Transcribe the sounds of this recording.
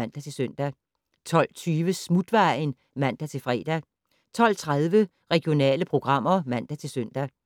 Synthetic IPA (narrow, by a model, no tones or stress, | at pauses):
æn̰d̥æt͡sʰe̝lsøn̰d̥æ | t͡sʰɒ̽l̰t͡sʰyːʋəsmud̥ʋɑ̈ɪn | mæn̰d̥æt͡sʰe̝lfʁɛ̰ːd̥æ | t͡sʰɒ̽l̰t͡sʰʁaðˠʋə | ʁɛɡ̥ijo̝nɛ̰ːləpʰʁo̝ɡ̥ʁɑ̈m̰ɐmæn̰d̥æt͡sʰe̝lsøn̰d̥æ